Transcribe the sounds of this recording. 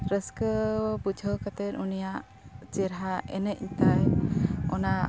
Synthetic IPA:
ɾəskəbud͡ʒʱəwkat̪ɛt̪unijaʔ | t͡ʃɛɾɦaʔɛ̰nɛc̪̚ɲt̪ajɔna

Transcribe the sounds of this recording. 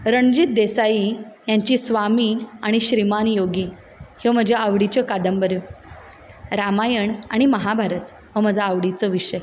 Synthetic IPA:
ɾəɳd͡ʑit̪̚d̪esaijaɲt͡ɕiːsʋamiːaɽ̃iɕɾimanjoɡiː | heʋm̤əd͡ʑʱjaaʋɽit͡ɕɔkad̪əmbəɾju | ɾamajəɳaɽ̃iməɦabʱaɾət̪ | ʋəm̤əd͡zʱaːʋɽit͡səʋiɕəj

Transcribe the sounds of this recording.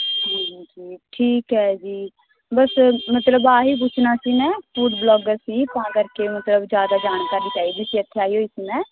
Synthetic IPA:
d͡ʒiːd͡ʒid͡ʒiːʈʰiːkɦɛːd͡ʒiː | bəsmət̪ləbaːɦiːp̬ʊt͡ʃʰnaːsiːmɛ̃ːfuːɖblɔːɡəɾsiːpãːkəɾkeːmət̪ləbd͡ʒjaːd̪aːd͡ʒaːñkaːɾiːt͡ʃaːiːd̪iːsiːət̪ʰːeaːiːɦoːɪsmɛ̃ː

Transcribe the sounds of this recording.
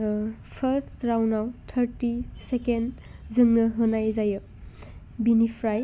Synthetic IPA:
pʰəɾsɾawnawtʰɐɾtiseken | zɯŋnɯɦɯnajzajɯ | binipʰɾaj

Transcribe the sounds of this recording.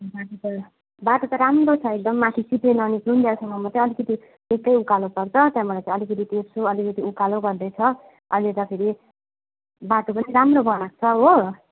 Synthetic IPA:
baʈot̪ʌ | baʈot̪ʌɾamrot͡sʰʌek̚d̪ʌmːãt̪ʰisiʈenʌːniɡund̪jaksʌmʌmʌt̪ʌ̃ʌlikʌt̪i | ekːʌjukalopʌrt͡sʰʌt̪jãmʌlajt͡sãʌlikʌt̪it̪esoʌlikʌt̪iukaloɡʌrd̪ʌjt͡sʰʌ | ʌjlet̪ʌpʰeɾi | baʈopʌniɾamrobʌnak̚t͡sʰʌɦo

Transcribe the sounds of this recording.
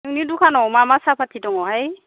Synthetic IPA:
unidukʰanɔmamasapʰatʰitɔŋɔɦaj

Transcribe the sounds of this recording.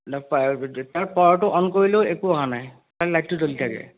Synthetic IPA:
ptaɹpɔɹɔtʊʔɔnkoɹileʊekuɔɦanaj | taɹlajt̚ːʊtolitʰakɛ̰

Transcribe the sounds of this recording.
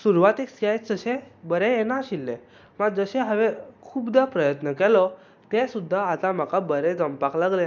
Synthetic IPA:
suɾʋat̪eksajd͡zəɕẽbəɾejenaɕilːẽ | məɡ̚d͡zəɕeɦəʋekʰuːbd̪apɾəjət̪nəkɛlɔ | t̪esud̪ʱːaːt̪ãm̤akabəɾed͡zəmpaklaɡlẽ

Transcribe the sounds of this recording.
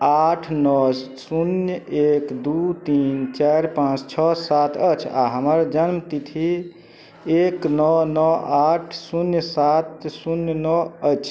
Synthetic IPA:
aʈʰnɔsunjekd̪ut̪int͡ʃaɾpãt͡ʃt͡ʃʰɔsat̪ʰət͡ʃʰa̰ɦəməɾd͡ʒənmt̪it̪ʰi | eknɔnɔaʈʰsunjsat̪sunjnɔət͡ʃʰ

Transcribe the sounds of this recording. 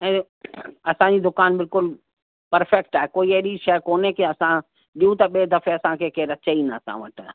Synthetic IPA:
ɛ̃ | ɐsãd͡ʒid̪ʊkaːnbɪlkʊl | pɐɾfʰɛkʈɛekoːieɾiʃɛːkoːnekeɐsã | ɗiũt̪aɓeːd̪ɐfeɐsãkʰekeɾɐt͡ʃeinasã̰ʋəʈ

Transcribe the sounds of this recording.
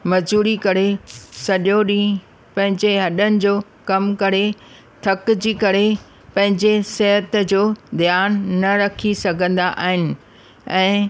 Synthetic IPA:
mɐzuːɾikɐɾesɐɗjoɗĩː | pɐ̃ɦɪ̃ɲd͡ʑeɦɐɗənɪ̆d͡ʑoː | kɐmkɐɾe | t̪ʰɐkd͡ʑiːkɐɾe | pɐ̃ɦɪ̃ɲd͡ʑeseɦət̪d͡ʑoːd̪ijaːnːɐɾɐkʰisɐɡʱə̃nd̪aʔa̰ːɦɪnɪ̆ | ɛ̃ː

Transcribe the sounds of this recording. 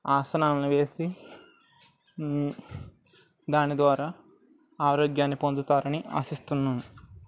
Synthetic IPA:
aːsɐnaːmniʋe̞ːsi | d̪aːnɛd̪ʋaːɾaː | aːɾoːɡjaːnːipond̪ut̪aːɾɐnia̰ːsist̪unːɐːnu

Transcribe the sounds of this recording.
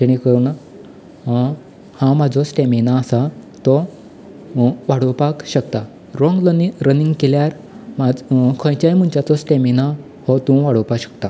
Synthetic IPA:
d͡ʑeɽ̃ikəɾuna | hãmad͡zʱɔsʈeminaːsat̪ɔ | ʋaɽ̤əwpakɕəkt̪a | ɾɔ̃ŋɡɾəniŋɡkeljaɾ | mad͡zkʰə̃jt͡ɕajm̤uɳt͡ɕat͡sɔsʈemina | hɔt̪ũʋaɽ̤əwpakɕə̥k̚t̪a

